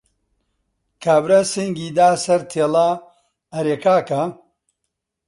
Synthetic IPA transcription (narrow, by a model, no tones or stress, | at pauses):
kʰaːbɾɐseŋɡiːd̪aːsɐɾt̪ʰeːla | ɐɾeːkaːkɐ